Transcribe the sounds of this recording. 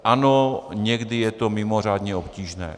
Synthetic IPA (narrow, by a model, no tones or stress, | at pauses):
ʔanoɲɛɡdɪjɛt̪omɪmor̝aːd̪ɲɛopciːʒnɛ̰ː